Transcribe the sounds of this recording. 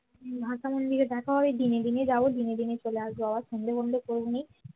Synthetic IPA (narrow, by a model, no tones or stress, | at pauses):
bʱaʃamond̪ʱiked̪ɛkʰaɦɔbed̪ined̪ined͡ʑabod̪ined̪inet͡ɕoleaʃboabaɾʃond̪ʱebond̪ʱekoɾbonej